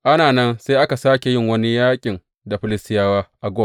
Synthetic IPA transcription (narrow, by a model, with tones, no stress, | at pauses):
ʔa˦naː˨nɐ˦nse˦jʔa˦ka˨saː˦kʲe˨jɪ˦ŋwɐ˦ni˦jaː˦kʲʼɪ˨n | da˨ɸɪ˦lɪ˦stɪ˦jaː˦waː˦ʔa˨ɡʷoː˦